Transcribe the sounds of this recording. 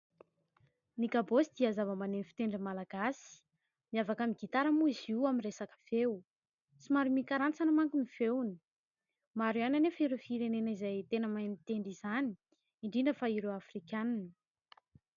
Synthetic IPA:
nikabosid̪iazavəmanenfi̥t̪eɳɖ͡ʐəmalaɡ̥asi̥ | miavakəmiɡit̪aɾamuiziwamiresakə̥v̥ew | t͡simaɾumikaɾant͡sanəmaŋkuniv̥ewni̥ | maɾiananefəiɾefiɾenenaizajt̪enəmajnit̪eɳɖ͡ʐizani̥ | iɳɖ͡ʐiɳɖ͡ʐəfaiɾewafrikaninə

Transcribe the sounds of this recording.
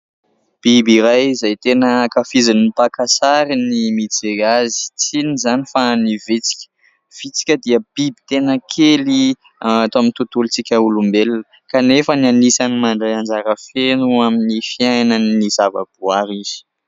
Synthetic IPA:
b̥ibiɾajzajt̪enəkafizinipakasaɾinimit͡seazi̥t͡sinizanifanivit͡si̥kʲə̥ | v̥it͡si̥kʲəd̪iəb̥ibit̪enəkʰeli | at̪oamint̪ut̪ulit͡sikʲəulumbelnə | kanefənianisanimaɳɖ͡ʐajand͡zaɾəfenuaminifiajnanːizavə̰b̥uaɾiz̥i̥

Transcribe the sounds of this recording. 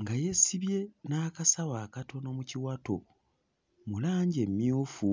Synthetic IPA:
ŋɡaje̞siβje̞naːkasawaːkatʰo̞no̞muciwato̞ | mulaːɲɟe̞mːjuːfu

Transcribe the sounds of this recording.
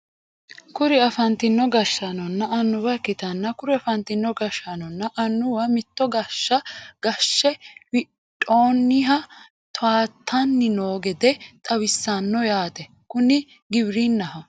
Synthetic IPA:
kʊɾɪɐfɐnt̪ɪnːɔɡɐʃːɐnɔnːɐɐnːʊbɐkːɪt̪ɐnːɐkʊɾɪɐfɐnt̪ɪnːɔɡɐʃːɐnɔnːɐʔɐnːʊwɐmɪt̪ːɔɡɐʃːɐɡ̥ɐʃːɛwɪ | tʼːo̞ːnːɪɦɐ | t̪aːt̪ʰːɐnːɪno̞ːɡɛd̪ɛt̪ʼɐwɪsːɐnːɔjaːt̪ɛ | kʊnɪ | ɡɪbɾinːɐɦɐ

